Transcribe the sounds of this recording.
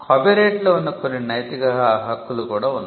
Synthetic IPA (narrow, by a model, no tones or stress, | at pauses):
kʰɐbiɾeːʈloːunːɐkonːinɐjt̪ikɐɦɐkːulukuːɽaːunː